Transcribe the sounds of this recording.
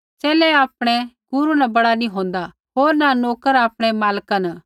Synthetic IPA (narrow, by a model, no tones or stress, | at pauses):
t͡ʃɛːlɛaːpɽ̃ɛɡ̥ʊɾunabɐɽanĩɦõːnd̪a | ɦoːɾnanoːkəɾaːpɽ̃ɛmaːlkənə